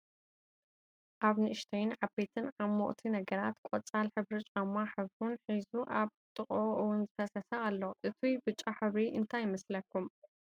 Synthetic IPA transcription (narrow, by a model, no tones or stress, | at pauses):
ʔaβnɨʔɨʃt̪ʰɐjnʕabe̞t̪ʰɨnʕamːoʔt̪ʰinɐɡɐɾat̪kʷʼot͡sʼalħɨβɾɨt͡ʃʼamːaħɨβɾunħizuʔaβt̪ʼɨχʼoʔɨwʊnzɨfɐsɐsɐʔalːoʔɨt̪ʰijbɨt͡ʃʼːaħɨβɾiʔɨnt̪ʰajɪmɐslɐkʰːum